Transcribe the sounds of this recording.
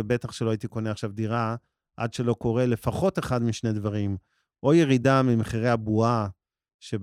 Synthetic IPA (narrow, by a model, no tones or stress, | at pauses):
ebe̞t̪aχʃeloait̪iko̞neaχʃavd̪iʁa | ʔa̰dʃe̞lo̞ko̞ʁe̞le̞faχo̞t̪e̞χad̪miʃne̞d̪vaʁim | ʔo̞jeʁidamimeχiʁehabua | ʃe̞